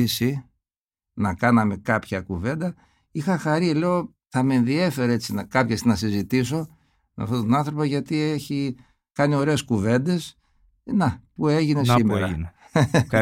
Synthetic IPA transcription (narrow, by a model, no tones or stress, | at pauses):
isi | nɐkɐnɐme̞kɐpçɐkuve̞nd̪ɐ | ixɐxɐɾile̞o | θɐmeenðie̞fe̞ɾeet͡sinɐkɐpçesnɐsizit̪is̬o̞ | mḛft̪ot̪onɐnθɾo̞pɐʝɐt̪ieçi | kɐnio̞ɾeːskuve̞nd̪e̞s | nɐpueʝinesimeɾn | k